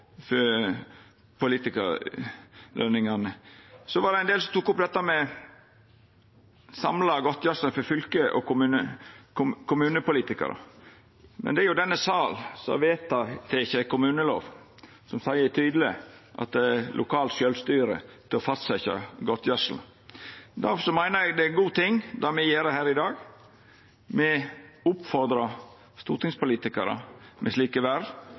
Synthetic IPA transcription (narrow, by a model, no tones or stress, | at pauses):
fɔɾ | pʰʊliːt̪ɪkə̰ɾ | lʔønɪŋɑnəsɔʋɑd̪ɛæɪnd̪eːlsɔmt̪ʰukːʊp̚ːd̪ɛt̪ːɑmɛ | sɑmlɑɡɔt̪ːjɑʂləfɔɾfʏlkəʔɔ̰kʊmʉːnə | kʰʊmʉːnəpʊliːt̪ɪkɑ̰ɾɑ̰ | mɛ̰nd̪ɛæɾjʊd̪ɛnːəsɑːlsɑ̰ʋeːt̪ɑt̪ʰɛɪçəkʰʊmʉːnəlo̰ːʋ | sɔmsæɪəɛt̪ʰyːd̪l̩ɪʔɑ̰t̪̚d̪ɛlʔʊkʰɑːlt̪ʃølst̪yːɾə̰t̪ʰɪlɔfɑst̪sɛɪçə̰ɡɔt̪ʰːjœsl̩ | d̪æɾfɔʂɔmæɪnəɾɛɡd̪ɛɡuːt̪ʰɪŋːd̪ɑmɛjeːɾəhæːɾɪd̪ɑːɡ | mɛʊpfɔɾd̪ɾɑ | st̪uːɾʈ̪ɪŋspʊliːt̪ɪkɑɾə̰mʔɛsliːkəʋæɾ